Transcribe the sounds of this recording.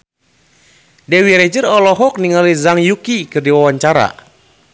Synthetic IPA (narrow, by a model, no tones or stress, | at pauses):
dɛwiɾɛd͡ʒɨrɔlɔɦɔk̚niŋalizaŋjukikɨrdiwawaɲt͡ʃaɾa̰